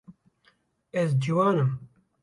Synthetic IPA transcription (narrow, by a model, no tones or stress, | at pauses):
ɛzd͡ʒiwɑːnɨm